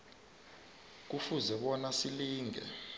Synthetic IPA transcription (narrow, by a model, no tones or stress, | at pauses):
k̬ufuzɛɓɔnasiliːŋɛ̰